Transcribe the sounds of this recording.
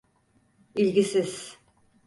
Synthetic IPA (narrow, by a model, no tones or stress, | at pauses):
ilʲɡisiz̥